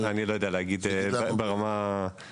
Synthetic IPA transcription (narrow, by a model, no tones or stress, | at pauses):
anilojodealeaɡid̪ebeʁama